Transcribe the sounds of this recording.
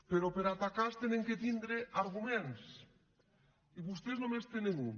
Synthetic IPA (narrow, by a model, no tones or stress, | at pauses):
peɾopeɾat̪akast̪eneŋket̪ind̪ɾeʔaɾɣumẽns | iβust̪eznõmest̪eneŋu